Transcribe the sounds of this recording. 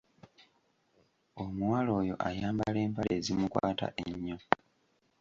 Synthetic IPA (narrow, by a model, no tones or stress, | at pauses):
omuwalo̞ːjo̞̰ʔajaːmbale̞ːmpaleːzimukwaːta̰ʔeɲːo